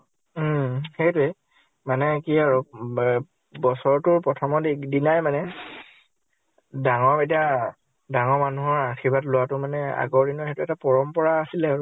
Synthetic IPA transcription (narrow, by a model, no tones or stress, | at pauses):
xejtʊe | manɛkiaɹu | bɔsɔɹtʊɹpɹɔtʰɔmɔdidinajmanɛ | daŋɔɹetia | daŋɔɹmanuɦɔɹaɹxibatlʊwatʊmanɛa̰ɡɔɹdinɔxetʊɛtapɔɹɔmpɔɹaːsilɛaɹu